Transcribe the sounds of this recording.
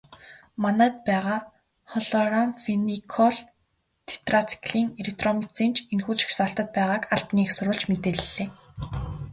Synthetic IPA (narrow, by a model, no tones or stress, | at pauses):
manæːt̪̚pæːʁaː | χɔɮɔramfenikʰɔɮ | t̪ʰe̥t̪rat͡sʰi̥kɮiːŋelek̚t̪rɔmit͡siːnt͡ɕʰenxuːt͡ɕʃi̥xsaːɬt̪ə̆t̪̚pæːʁaːkaɬt̪niːxsʊɾʊːɮt͡ɕmet̪eːɮɮːeː